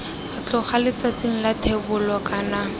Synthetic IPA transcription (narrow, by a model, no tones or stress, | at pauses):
at͡ɬʊχalɪt͡sat͡seŋ̩latʰebʊlɔkana